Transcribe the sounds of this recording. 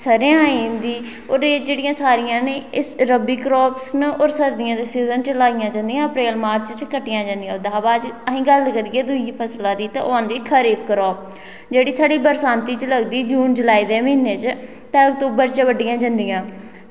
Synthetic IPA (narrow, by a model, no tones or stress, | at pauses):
səɾejãːiːmd̪iː | oːɾeːd͡ʒeːɽɪjãːsaːɾɪjãːneːɪɾəbiːkɾoːpsnoːɾsəɾd̪ɪjãːd̪eːsiːzənt͡ʃəlaːɪjãːd͡ʒãːnd̪ijãːəpɾeːlmaːɾt͡ʃt͡ʃkəʈːɪjãːd͡ʒãnd̪ijãːd̪aɦaːbaːd͡ʒəɦĩːɡəlkəɾiːeːd̪ʊiːpʰəslãːd̪iːt̪ã̰ʔoãːnd̪iːkʰəɾiːbkɾɔːp̚ | d͡ʒeːɽiːsaːɖiːbəɾsãːnt̪iːt͡ʃələɡd̪iːd͡ʒuːnd͡ʒəlaːiːd̪eːmɪɪnːeːt͡ʃ | t̪ãːək̚t̪uːbəɾt͡ʃəʋəɖɪjãːd͡ʒãnd̪ijãː